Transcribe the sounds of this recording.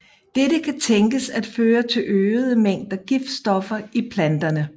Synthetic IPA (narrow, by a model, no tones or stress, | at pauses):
d̥eɾəkʰæt͡sʰeŋɡ̥əsæd̥føːɐt͡sʰe̝lʔøːð̞ˠəmeŋ̰d̥ɐɡ̥ifsd̥ɒ̽fɐipʰlænd̥ɐnə